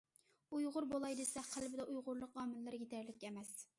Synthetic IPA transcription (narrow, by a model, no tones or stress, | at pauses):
ujʁʊɾbolˠɑjd̪ɨsɛqʰælbɪd̪ɛʔujʁʊɾlˠʊqɑːmɨllɨɾɡʲet̪ʰæɾlɪkʲːɛmɛs